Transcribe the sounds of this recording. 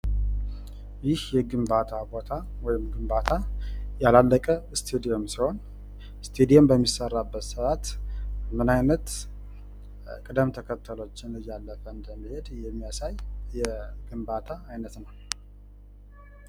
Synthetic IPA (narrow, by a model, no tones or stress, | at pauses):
jɪhjɛɡɨmbat̪ʰabo̞t̪ʰawɔjɪmɡɨmbat̪ʰajalalːəkʼəst̪ʰed̪io̞msiho̞n | st̪ʰed̪ijombəmːisərːabːət̪səat̪mɨnajnət̪ | kʼɨd̪əmt̪ʰəkʰət̪ʰːəlo̞t͡ʃːɪnlɨjːalːəfəɨnd̪əmːihe̞d̪jɛmːijasajjɛɡ̥ɨmbat̪ʰaːjnət̪nəw